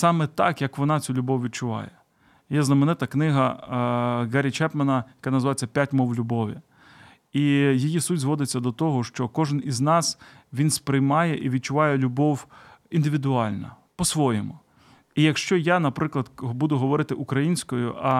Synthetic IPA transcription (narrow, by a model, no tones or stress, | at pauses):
sɑmɛt̪ɑkjɐkʋɔnɑt͡sʲulʲʊbɔwʋʲid̪̚t͡ʃʊʋɑ̰jɛ | jɛznɐmenɪt̪ɐknɪɦɐ | ɣɛɾʲit͡ʃɛpmenɐjɐkɑnɐzʋɑjet͡sʲːɐpʲjatʲmɔwlʲʊbɔʋʲḭ | ijijisutʲzʋɔd̪ɪt͡sʲːɐd̪ɔt̪ɔɦɔʃt͡ʃɔkɔʒɪniznɑsʋʲinspɾɪjmɑjɛʔiʋʲid̪̚t͡ʃʊʋɑjɛlʲʊbɔwind̪ɪʋʲid̪ʊɑlʲnɐ̰ | pɔsʋɔjɛmʊ | ijɐkʃt͡ʃɔjanɐpɾɪklˠɐd̪bud̪ʊɦɔʋɔɾɪt̪ɪʔʊkɾɐjinʲsʲkɔjʊʔɐ